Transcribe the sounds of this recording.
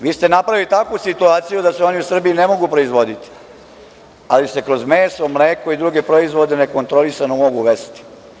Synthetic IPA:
ʋiːst̪e̞napɾaʋilit̪akusit̪uaːt̪sijud̪aseo̞niusr̩biinemo̞ɡupɾo̞izʋo̞d̪it̪i̥ | alise̞kɾo̞zmeːsomleːko̞id̪ɾuɡe̞pɾo̞izʋo̞d̪e̞ne̞ko̞nt̪ɾo̞lisanomo̞ɡuʋest̪i̥

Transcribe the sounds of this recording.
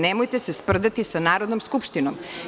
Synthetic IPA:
nemojt̪esespr̩d̪at̪isanaːɾod̪nomskupʃt̪inom

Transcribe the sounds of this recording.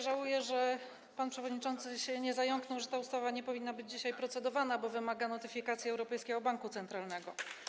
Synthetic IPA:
ʐawujɛʐɛ | panpʂɛvɔd̪ɲit͡ʂɔnt̪sɘɕɛɲɛzajɔŋknɔ̃wʐɛt̪aust̪avaɲɛpɔvʲinːabɘd͡ʑd͡ʑiɕajpɾɔt̪sɛd̪ɔvanabɔvɘmaɡanɔt̪ɘfʲikat̪sʲjɛɛwɾɔpɛjskʲɛɡɔbaŋkut̪sɛnt̪ɾalnɛɡɔ

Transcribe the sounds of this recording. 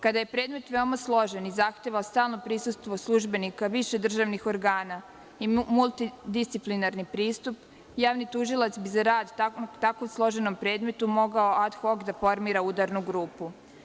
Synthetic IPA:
kad̪aje̞pɾe̞ːd̪me̞t̪ʋe̞o̞maslˠo̞ʒenizaxt̪eʋaost̪aːlˠnopɾisust̪ʋo̞slˠuʒbe̞nikaʋiʃe̞d̪r̩ʒaʋnixo̞ɾɡaːna | imulˠt̪id̪ist̪siplinaɾnipɾiːst̪up | jaːʋnit̪uʒilˠat̪sbizaɾaːd̪t̪akomslˠo̞ʒe̞no̞mpɾe̞ːd̪me̞t̪umo̞ɡaoad̪xo̞ɡd̪afo̞ɾmiːɾaud̪aɾnuɡɾuːpu

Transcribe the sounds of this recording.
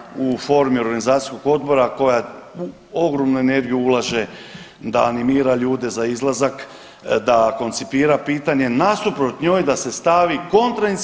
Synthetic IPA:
ufo̞ɾmio̞ɾɡanizaːt̪ijsko̞ɡo̞d̪bo̞ɾako̞jau | o̞ɡɾo̞mnuene̞ɾɡijuulˠaʒe | d̪a̰ːnimiːɾaʎuːd̪e̞zaizlˠazak | d̪ako̞nt̪sipiːɾapiːt̪aɲe̞nast̪upɾot̪ɲoːjd̪ase̞st̪aʋiko̞nt̪ɾai

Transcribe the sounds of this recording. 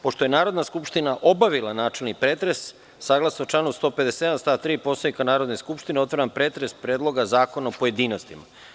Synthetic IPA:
po̞ʃt̪o̞je̞naːɾod̪naskupʃt̪inaʔo̞baʋilˠanaːt͡ʃe̞lnipɾeːt̪ɾe̞sː | aːɡlˠasnot͡ʃlˠanust̪ope̞d̪eseed̪anst̪aːt̪ɾiːpo̞st̪oikanaːɾod̪ne̞skupʃt̪ineo̞t̪ʋaɾampɾeːt̪ɾe̞spɾeːd̪lo̞ɡazaːko̞naopoje̞d̪iːno̞st̪ima̰

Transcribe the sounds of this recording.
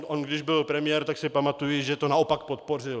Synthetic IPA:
ʔonɡdɪʒbɪlpɾɛmɪjɛːɾt̪aksɪpamat̪ujɪʒɛt̪onao̞pakpot̪̚po̞r̝ɪl

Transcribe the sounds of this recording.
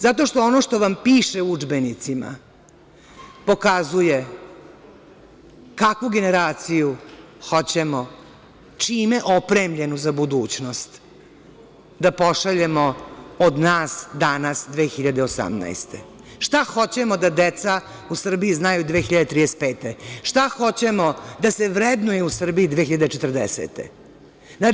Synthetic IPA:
zat̪o̞ʃt̪oonoʃt̪o̞ʋampiːʃeuud͡ʒbe̞nit̪sima̰ | po̞kazuje̞ | kakʋuɡe̞ne̞ɾaːt̪siju | xo̞t͡ɕemo | t͡ʂiːmeʔopɾeːmʎe̞nuzabud̪uːt͡ɕno̞st̪ | d̪apo̞ʃaʎe̞mood̪naːsd̪anasd̪ʋeːxiʎad̪e̞osa̰mna̰jst̪ḛʃt̪axo̞t͡ɕemod̪ad̪et̪sa | usr̩biiznajud̪ʋeːxiʎad̪et̪ɾiːd̪est̪̚peːt̪eʃt̪axo̞t͡ɕemod̪ase̞ʋɾed̪nujeusr̩bijid̪ʋeːxiʎad̪et͡ʃet̪r̩d̪esḛt̪ḛ | na

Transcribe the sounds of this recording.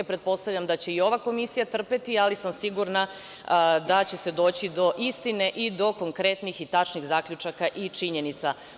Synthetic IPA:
pɾet̪̚po̞st̪avʎamd̪at͡ɕe̞io̞ʋako̞misijat̪r̩pe̞t̪ialisamsiɡuɾna | d̪at͡ɕe̞se̞d̪o̞ːt͡ɕid̪o̞ʔist̪ine̞ʔid̪o̞ko̞ŋkɾe̞t̪nixit̪at͡ʃniɣzaːkʎut͡ʃakaʔit͡ʃiɲe̞nit̪sa

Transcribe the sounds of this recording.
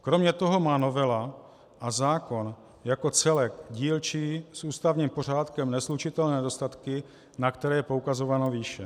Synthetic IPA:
kɾo̞mɲɛt̪o̞ɦo̞maːno̞vɛla | ʔazaːko̞n | jako̞t͡sɛlɛkɟiːlt͡ʃiːsʔuːst̪avɲiːmpo̞r̝aːt̪kɛmnɛslut͡ʃɪt̪ɛlnɛːdost̪at̪kɪ | nakt̪ɛɾɛːjɛpoukazo̞vano̞viːʃɛ

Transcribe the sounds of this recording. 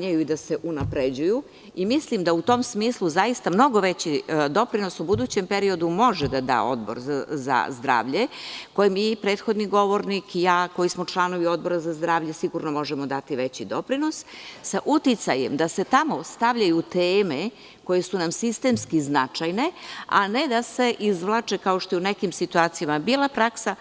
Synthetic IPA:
ɲajuid̪ase̞ʔunapɾed͡ʑuju | imislimd̪aut̪o̞msmiːslˠuzajist̪amno̞ɡo̞ʋet͡ɕid̪o̞pɾino̞subud̪uːt͡ɕe̞mpe̞ɾio̞d̪umo̞ʒed̪ad̪a̰ːo̞̰d̪bo̞̰ɾaza̰zd̪ɾa̰ːʋʎe̞ko̞jimipɾe̞ːt̪xo̞d̪niɡo̞ʋo̞ɾnikijaːko̞jismo̞t͡ʃlˠano̞ʋio̞d̪̚bo̞ɾazazd̪ɾaːʋʎe̞siɡuɾnomo̞ʒemo̞d̪at̪iʋet͡ɕid̪opɾino̞ssaʔut̪it̪sajḛmd̪ase̞t̪amo̞st̪aʋʎajut̪eːme | ko̞je̞sunamsist̪emskiznat͡ʂajne̞a̰ned̪ase̞ʔizʋlˠat͡ʂe̞kaoʃt̪o̞junekimsit̪uaːt̪sijamabiːlˠapɾaksa

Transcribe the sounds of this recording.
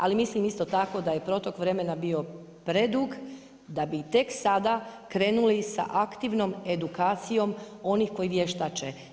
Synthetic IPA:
a̰limislimist̪ot̪ako̞d̪aje̞pɾo̞t̪okʋɾe̞me̞nabio̞ | pɾe̞d̪uːɡ | d̪abit̪e̞ksad̪akɾe̞ːnulisa̰ʔakt̪iʋno̞me̞d̪ukaːt̪sijo̞m | o̞nixko̞jiʋjeʃt̪at͡ʃe

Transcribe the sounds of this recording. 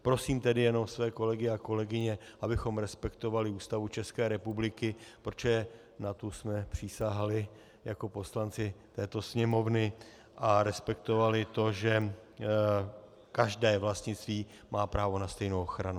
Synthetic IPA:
pɾo̞siːmt̪ɛdɪjɛno̞msvɛːko̞lɛɡɪako̞lɛɡɪɲɛʔabɪxo̞mɾɛspɛkt̪o̞valɪuːst̪avut͡ʃɛskɛːɾɛpublɪkɪpɾot͡ʃoɛ | nat̪usmɛpr̝̥ɪsaɦalɪ | jako̞po̞slant͡sɪt̪ɛːt̪o̞sɲɛmo̞vnɪ | ʔaɾɛspɛkt̪o̞valɪt̪o̞ʒɛ | kaʒdɛːvlast̪ɲɪt͡st̪viː | maːpɾaːvo̞nast̪ɛjnowoxɾanu

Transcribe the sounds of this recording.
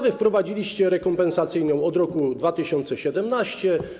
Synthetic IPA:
vɘfpɾɔvad͡ʑilʲiɕt͡ɕɛɾɛkɔmpɛnsat̪sɘjnɔ̃w̃ɔd̪ɾɔkud̪vat̪ɘɕɔnt̪sɛɕɛd̪ɛmnaɕt͡ɕɛ

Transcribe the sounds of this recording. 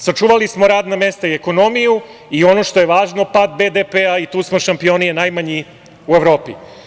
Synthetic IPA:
sat͡ʃuːʋalismo̞ɾaːd̪name̞st̪aie̞ko̞no̞miju | io̞no̞ʃt̪o̞je̞ʋaːʒno̞pad̪̚be̞d̪epeait̪uːsmo̞ʃampio̞nijenajmaɲi | ueʋɾo̞ːpḭ

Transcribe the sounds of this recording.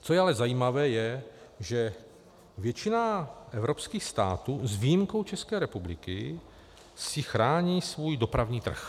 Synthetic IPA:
t͡so̞jɛalɛzajiːmavɛːjɛ | ʒɛ | vjɛt͡ʃɪnaʔɛvɾopskiːxst̪a̰ːt̪uːzvijimko̞wt͡ʃɛskɛːɾɛpublɪkɪ | sɪxɾaːɲiːsvuːjdo̞pɾavɲiːt̪r̩̰x

